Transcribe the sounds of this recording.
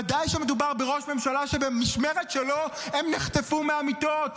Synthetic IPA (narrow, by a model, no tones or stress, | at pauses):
adajʃemed̪ubaʁbeʁo̞ʃme̞mʃalaʃe̞bemiʃmeʁet̪ʃeloemniχt̪efumeamit̪o̞t